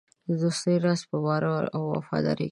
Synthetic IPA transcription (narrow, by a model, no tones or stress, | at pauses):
əd̪ust̪əjɾɑspəwɑɾaa̰wːa̰fɑ̰d̪ɑ̰ɾe